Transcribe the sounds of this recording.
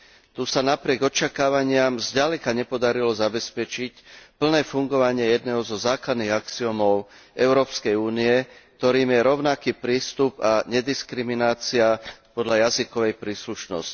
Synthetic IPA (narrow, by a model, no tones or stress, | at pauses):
t̪uːsanapɾɪɛɡɔt͡ʃakaːʋaɲɪamzɟalɛkaɲɛpɔd̪aɾilɔzabɛspɛt͡ʃicpl̩nɛːfuŋɡɔʋaɲɪɛjɛd̪nɛːɦɔzɔzaːklad̪niːɣakt͡siɔmɔʊʔɛʊɾɔːpskɛjuːniɛk̚t̪ɔɾiːmjɛɾɔʊnakiːpɾiːst̪upaɲɛd̪iskɾiminaːt͡siapɔd̪ʎajazikɔʋɛjpɾiːsluʃnɔ̰sci̥